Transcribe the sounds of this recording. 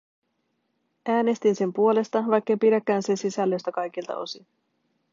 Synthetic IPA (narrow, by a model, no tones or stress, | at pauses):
æːne̞st̪inse̞mpuo̞le̞st̪ɑʋɑjkːɑjpidækːæːnse̞nsisælːøst̪ækɑjk̟ilt̪ɑ̰ʔo̞̰si